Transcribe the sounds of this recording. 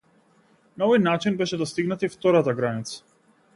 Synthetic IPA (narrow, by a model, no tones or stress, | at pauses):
naɔvɔjnat͡ʃinbɛʃɛd̪ɔst̪iɡnat̪ift̪ɔɾat̪aɡɾanit̪sḁ